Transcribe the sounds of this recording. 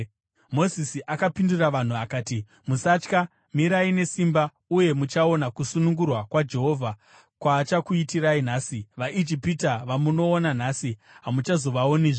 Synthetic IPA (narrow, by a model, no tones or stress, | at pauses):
mo̞zisiʔakapinduraʋan̤uakaːti | musat͡ʃka | miɾaine̞simba | uje̞mut͡ʃao̞nakusunuŋɡurwakwad͡ʒe̞ɦo̞ːvʱa | kwaːt͡ʃakuitirain̤aːsiʋaʔid͡ʒipitaʋamuno̞ːnan̤asi | ɦamut͡ʃazo̞ʋaoniːʐo